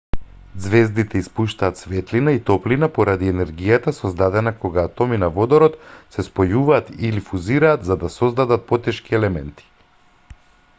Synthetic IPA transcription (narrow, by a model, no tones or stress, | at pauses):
d̪zvɛzd̪it̪ʰɛispuʃt̪aːt̪svɛt̪linait̪ɔplinapɔɾad̪iɛnɛɾɡijat̪asɔzd̪ad̪ɛnakoɡaːt̪ɔminavɔd̪ɔɾɔt̪sɛspɔjuvaːt̪ilifuziɾaːt̪zad̪asɔzd̪ad̪at̪̚pɔt̪ɛʃkiɛlɛmɛnt̪i̥